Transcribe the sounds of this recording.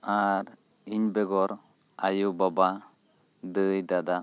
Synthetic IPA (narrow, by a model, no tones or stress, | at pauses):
aɾ | iɲbɛɡɔɾ | ajubaba | d̪əjd̪ad̪a